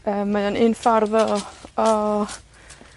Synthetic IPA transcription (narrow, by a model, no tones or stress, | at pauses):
əːmːajanɪnfarðɔɔ